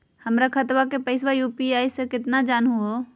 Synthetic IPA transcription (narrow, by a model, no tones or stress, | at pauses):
həmɾakʰət̪ʋakepəɪswajuːpiaːisẽkɪt̪nad͡ʒaːnɦuo